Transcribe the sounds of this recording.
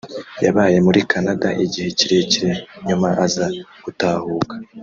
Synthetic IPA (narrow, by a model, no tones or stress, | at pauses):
jaβaːje̞muɾikanadaʔiɟihe̞ciɾe̞ciɾe̞ɲumaʔazaɡ̥utaːhuːkḁ